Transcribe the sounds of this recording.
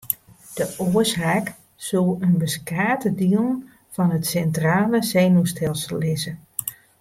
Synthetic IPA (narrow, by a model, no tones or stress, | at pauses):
d̥əʔoəshak | sulˠənbəskaːtədiəlˠn | fɔnətsɛntraːləsɛjnustʰɛlˠsəlˠːɪzə